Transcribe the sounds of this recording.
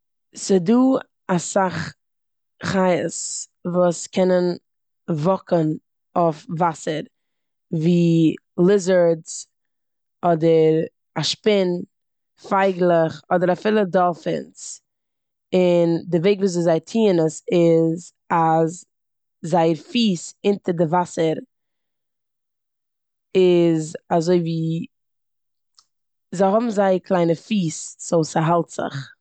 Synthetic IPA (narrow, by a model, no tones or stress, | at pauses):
sɪduː | asaχ | χaɪəsvuːskʰɛnən | vɔkən | ofvasəɾ | viː | lˠɪzəɾz | ɔdəɾ | aʃpɪn | faɪɡlˠəχɔdəɾafiːlˠədɔlˠfɪ̰nt͡s | ɪndɪveɪɡvuːs̬zɪzaɪtʰiːənəsɪz | az | zaɪəɾfiːsɪntəɾdɪvasəɾ | ɪzazoɪviː | zaɪɦɔbm̩zaɪkʰlˠaɪnəfiːsz̥oʊsəɦalˠtz̥ɪ̰χ